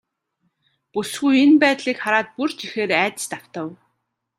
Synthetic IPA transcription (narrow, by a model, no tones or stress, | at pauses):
pusɡujenpæːt̪ɮiːkχaɾaːt̪̚purt͡ɕixeːɾæːt̪ə̥̆st̪aw̥t̪ə̆w